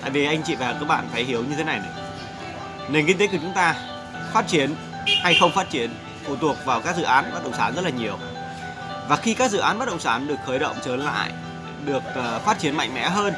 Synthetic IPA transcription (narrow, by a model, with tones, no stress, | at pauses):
t̪a̰ː˧˨jvi˨˩ʔa˧jŋt͡ɕḭ˧˨va˨˩˨kaː˦˥k̚ɓa̰ː˧˨nfaː˧˩jhi˨˦əwɲɨ˧t̪ʰe˨˦na˨˩jnɛ˨˦ | ne˨˩nki˧ŋt̪̬e˨˦ku˩t͡ɕʊ˨˦ŋ͡mt̪aː˧ | faː˦˥t̚t͡ɕi˨˦ən | ha˧jxə˧wŋ͡mfaː˦˥t̚t͡ɕi˧˦ən | fu˧˩t̪u˨˩ək̚vaː˨˩wkaː˦˥k̚zɨ̰˧˨ʔaː˨˦nɓa˦˥t̚ɗə̰˧˨ŋ͡msaː˨˦nzə˦˥t̚laː˨ɲi˨˩əw | vaː˨˩xi˧kaː˦˥k̚zɨ̰˧˨aː˨˦nɓa˦˥t̚ɗə̰˧˨ŋ͡msaː˨˦nɗɨ˨˩ək̚xəː˨˦jɗə̰˧˨wŋ͡mt͡ɕəː˨˦nla̰ː˧˨j | ɗɨ˨˩ək̚ːfaː˦˥t̚t͡ɕi˨˦ənma̰˧˨jŋ̟mɛ̰˧˥ɦəː˧n